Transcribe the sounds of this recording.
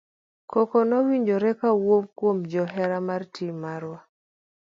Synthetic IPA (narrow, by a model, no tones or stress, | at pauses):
kɔkɔnɔwiɲd͡ʒoɾɛkawomkwomd͡ʒɔɦɛɾamartʰimaɾwa